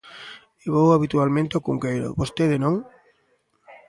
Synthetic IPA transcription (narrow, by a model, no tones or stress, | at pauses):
eβowaβit̪ualmẽnt̪eokuŋkejɾo̰βost̪eðenõŋ